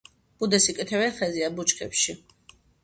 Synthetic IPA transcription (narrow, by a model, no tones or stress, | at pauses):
b̥ud̪ɛsikʼɛt̪ʰɛvɛχɛziabut͡ʃʰʼkʰɛ̰pʃi